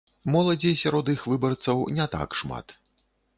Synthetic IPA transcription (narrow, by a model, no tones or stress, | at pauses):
mɔlˠɐd͡zʲejsʲaɾɔd̪ixvɨbɐrt̪sɐwnʲɛt̪a̰kʂma̰t̪